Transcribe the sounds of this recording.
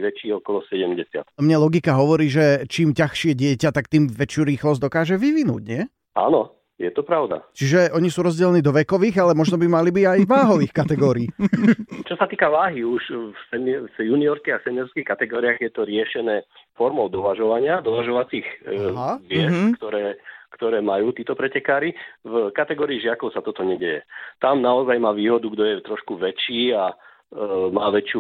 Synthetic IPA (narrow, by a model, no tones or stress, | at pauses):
ʋɛt͡ʃiːɔkɔlɔsɛɟɛmɟɛsɪa̰t̪mɲɛlɔɡikaɦɔʋɔɾiːʒɛt͡ʃiːmcaxʃɪɛɟɪɛcat̪ak̚t̪iːmʋɛt͡ʃjuɾiːxlɔzd̪ɔkaːʒɛʋiʋinṵːɟɲɛ | ʔa̰nɔ | jɛt̪ɔpɾaʊd̪a̰t͡ʃiʒɛʔɔɲisuːɾɔzɟɛlniːd̪ɔʋɛkɔʋiːɣalɛmɔʒnɔbimalibiɟajʋaːɦɔʋiːxkat̪ɛɡɔːɾiiː | t͡ʃɔsat̪iːkaʋaːɦiuʃsɛmjuniɔɾskiɣasɛnɪɔɾskixkat̪ɛɡɔːɾiaɣjɛt̪ɔɾɪɛʃɛnɛːfɔɾmɔʊd̪ɔʋaʒɔʋaɲɪad̪ɔʋaʒɔʋat͡siːɣɦaʋɪɛt͡skt̪ɔɾɛːkt̪ɔɾɛːmajuːt̪iːt̪ɔpɾɛcɛkaːɾivkat̪ɛɡɔːɾiːʒɪakɔʊsat̪ɔt̪ɔɲɛɟɛjɛt̪amnaɔzajmaːʋiːɦɔd̪uɡd̪ɔjɛt̪ɾɔʃkuʋɛt͡ʃiːa | maːʋɛt͡ʃju